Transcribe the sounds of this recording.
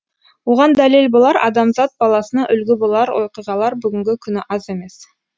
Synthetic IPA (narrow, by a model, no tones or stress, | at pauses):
woʁɑnd̪ælelbolˠɑɾɑ̰d̪ɑmzɑt̪̚bɑlˠɑsənɑʔʏlɡʲɪbolˠɑɾwʔo̞̰qijʁɑlˠɑɾbʏɡʲɪŋɡʲɪkʲʰʏnɪʔɑze̞me̞s